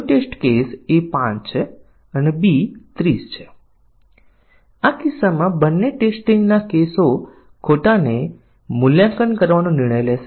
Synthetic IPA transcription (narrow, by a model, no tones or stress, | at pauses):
ʈesʈkesepãt͡ʃt͡ʃʰe | ənebit̪ɾist͡ʃʰe̥ | akisamãbənːeʈesʈĩŋɡnakeso | kʰoʈane | mʊljãkənkəɾʋanõnɪɾɳ̃əjleʃe